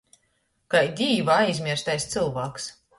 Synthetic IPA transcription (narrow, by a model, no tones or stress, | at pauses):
kajd̪ʲiːvaajzʲmʲiɛɾst̪ajst̪sɨlˠvaːks